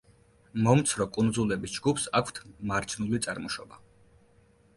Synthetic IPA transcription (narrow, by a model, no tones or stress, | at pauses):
mɔmt̪sʰɾɔkʼund̪zulɛbisd͡ʒɡupsakʰt̪ʰmaɾt͡ʃʰnulit̪sʼaɾmɔʃɔba